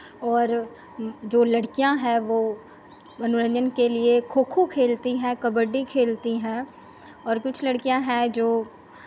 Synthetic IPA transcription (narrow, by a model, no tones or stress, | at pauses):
ɔːɾ | d͡ʒoːlɐɽkijãɦɛ̃ʋoː | ɐnʊɾə̃nd͡ʒənkeliekʰoːkʰukʰeːlt̪iɦɛ̃kɐbəɖːikʰeːlt̪iɦɛ̃ː | ɔːɾkʊt͡ʃʰlɐɽkijãɦɛ̃d͡ʒoː